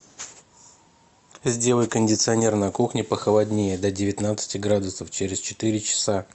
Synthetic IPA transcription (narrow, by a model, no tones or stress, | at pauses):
zʲdʲe̞lˠəjkənʲdʲɪt̪sɨɐnʲe̞rnɐkuxnʲɪpəxəlˠadʲnʲejəd̪ədʲɪvʲɪt̪nat̪sɨ̥tʲɪɡɾad̪ʊsəft͡ɕeɾʲɪst͡ɕɪ̥t̪ɨɾʲɪt͡ɕɪ̥sa